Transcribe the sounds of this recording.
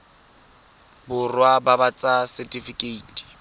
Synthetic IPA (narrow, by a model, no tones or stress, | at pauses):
bʊrwababat͡sʼasɛtʼifikʼeitʰʼi̥